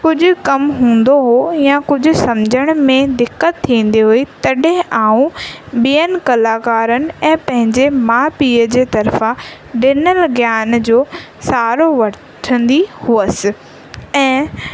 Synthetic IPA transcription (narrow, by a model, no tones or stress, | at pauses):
kʊd͡ʑʱʊ̆kɐmɦũːn̆d̪oɦojãkʊd͡ʑʱʊ̆sɐmd͡ʑʱəɽ̃mẽd̪ɪkːət̪ʰːĩːn̆d̪iɦuit̪ɐɗɦɪ̃ʔaːũɓijənɪ̆kɐlaːkaːɾənɪ̆ɛ̃ːpɐ̃ɦɪ̃ɲd͡ʑemaːpiːəd͡ʑeːt̪ɐɾfã | ɖɪnəlɡjaːnd͡ʑoː | saːɾoʋɐ | ʈʰə̃n̆d̪ihuəsɪ̆ | ɛ̃ː